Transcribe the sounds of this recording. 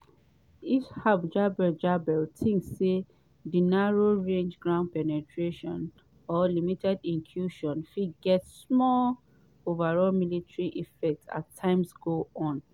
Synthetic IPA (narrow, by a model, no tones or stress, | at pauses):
ishabd͡ʒabɛd͡ʒabɛltʰĩŋksːe | dinaɹoɹẽnd͡ʒɡɹãʊ̃n̚pɛnɛtʰɹeʃɔ̃n | ɔlimitɛdĩnkʰjuʃɔ̃nfidɡɛtsmɔl | ovaɹɔlmilitɹiʔifɛk̚ta̰tʰːãɪ̃msɡoɔ̃n